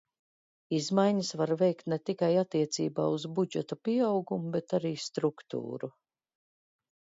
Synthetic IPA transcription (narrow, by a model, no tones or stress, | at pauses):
izmajɲasvaɾvɛjkt̪nɛt̪ikajat̪ːiɛt̪sḭːba̰ːuzbud͡ʒɛt̪apiɛawɡumubɛt̪aɾiːst̪ɾukt̪ṵːɾu